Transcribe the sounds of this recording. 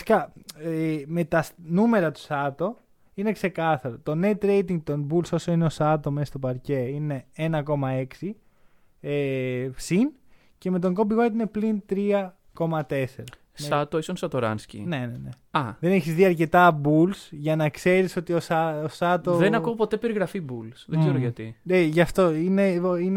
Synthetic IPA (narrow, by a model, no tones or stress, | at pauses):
si̥kɐemet̪ɐsnume̞ɾɐt̪u̥sɐt̪o̞ | ine̞kse̞kɐθɐɾot̪o̞ne̞t̪ɾe̞jt̪iŋɡt̪onbulso̞soineosɐt̪o̞messt̪o̞pɐɾce̞ine̞enɐko̞mɐe̞ksi | epsin | ce̞me̞t̪̬o̞ŋɡo̞biɣoɾt̪ine̞plint̪ɾiɐ | ko̞mɐt̪e̞se̞ɾɐ | sɐt̪oisonsɐt̪oɾɐ̰nscḭne̞nene | ɐðe̞neçizðiɐɾce̞t̪ɐbulsʝɐnɐkse̞ɾiso̞t̪iosɐosɐt̪oðenɐkopo̞t̪epe̞ɾiɣɾɐfibulsðeɡɡzeɾoʝɐt̪ieʝɐft̪o̞inein